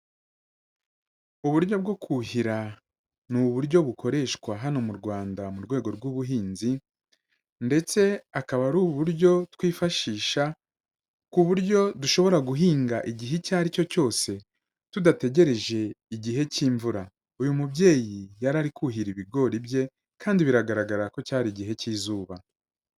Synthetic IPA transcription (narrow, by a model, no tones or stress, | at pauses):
uβuɾjo̞b̚ɡo̞kʰuhiɾa | nuβuɾjɟo̞βukʰo̞ɾe̞ʃkwaɦano̞muɾɡwaːndamuɾɡwe̞ːɡo̞ɾɡwuːβuɦiːnzi | nde̞t͡se̞akaβaɾuːβuɾɟo̞twiːfaʃiːʃa | kuβuɾɟjo̞duʃo̞βo̞ɾaɡuɦiːŋɡaʔiɟiɦecaːɾico̞co̞ːse̞ | tudate̞ɟe̞ɾe̞ʒe̞iɟiɦe̞ciːɱvuɾa | ujumubɟe̞ːjijaɾaɾikuɦiɾiβiɡo̞ɾibje̞ | kaːndiβiɾaɡaɾaɡaɾako̞caːɾiɟiɦe̞ciːzuːβa